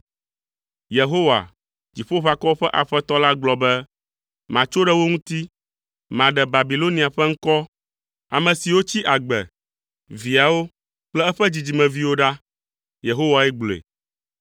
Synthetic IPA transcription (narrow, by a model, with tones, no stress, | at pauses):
je˨ɦo˦wa̰˨ | d͡ʑi˨ɸo˦ɸa˨kɔ˦ɸɛ˦ʔa˨ɸɛ˦t̪ɔ˦la˦ɡ͡blɔ˨bɛ˦ | mã˨t͡ʃo˦ɖɛ˦wo˦ŋũ˦t̪i˦ | mã˨ɖɛ˨ba˨bi˨lo˦nĩ˨a˨ɸɛ˦ŋ̩˦kɔ˦ | a˨mɛ̃˨si˨wo˦t͡ɕi˦ʔa˨ɡ͡bɛ̰˨ | vi˨a˨wo˦ | k͡plɛ˦ɛ˦ɸɛ˦d͡ʑi˨d͡ʑi˨mɛ̃˨vi˦wo˦ɖa˦ | je˨ɦo˦wa˨ɛ˦ɡ͡blḛ˨